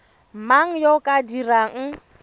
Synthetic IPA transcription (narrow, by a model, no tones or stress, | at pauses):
maŋ̩jokʼadiraŋ̩